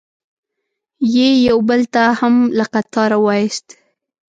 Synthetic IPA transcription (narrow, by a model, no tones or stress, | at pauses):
jejawbəlt̪ahamlaqat̪ɑɾawɑjɪst̪